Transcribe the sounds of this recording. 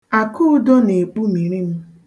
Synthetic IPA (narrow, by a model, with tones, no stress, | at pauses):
a˨kʊ˦ʊ˦do˦ne˨k͡pu˦mi˨ɾi˦m̩˦